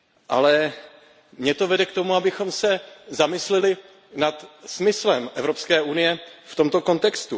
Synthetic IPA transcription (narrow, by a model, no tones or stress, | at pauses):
ʔa̰lɛ | mɲɛt̪o̞vɛdɛk̚t̪o̞muabɪxo̞msɛzamɪslɛlɪ | nat̪smɪslɛmʔɛvɾo̞pskɛːʔunɪjɛft̪o̞mt̪o̞ko̞nt̪ɛkst̪u